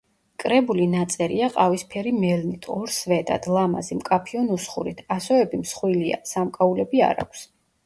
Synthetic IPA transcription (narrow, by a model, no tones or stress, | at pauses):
kʼɾɛbulinat̪sʼɛɾiaqʼavispʰɛɾimɛlnit̪ʰɔɾsvɛd̪a̰d̪̥lˠama̰zimkʼapʰiɔnusχṵɾit̪ʰasɔvɛbimsχwilia̰samkʼaulɛbia̰ɾa̰kʷʰs